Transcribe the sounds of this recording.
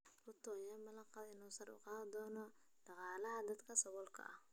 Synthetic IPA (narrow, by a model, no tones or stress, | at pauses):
ʊt̪ʰɔjɐmɐlɐqɑɪnuːsɐɾʊ̰qɑːðɐd̪ɔːnɔ | ɖ̥ɑqɑːlɐɦɐd̪ɐd̪kʰɐsɐwɔlkʰɐ̰ʔɐh